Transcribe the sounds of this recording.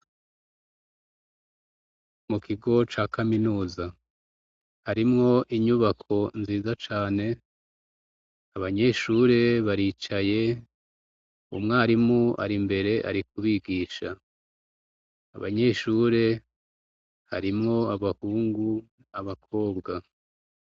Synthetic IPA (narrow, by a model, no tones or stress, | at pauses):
mukʰiɡo̞t͡ʃaːkʰaminuːza | haɾimŋo̞ʔiɲuβakʰo̞nziːzat͡ʃaːne̞ | aβaɲe̞ʃuːɾe̞βaɾiːt͡ʃaje̞ | ṵmŋaːɾimua̰ɾimbe̞ɾe̞ʔa̰ɾik̚uβiɡiːʃa | βa̰ɲe̞ʃuːɾe̞ | ha̰ɾimŋo̞aβahuːŋɡu | aβakʰo̞ːbɡa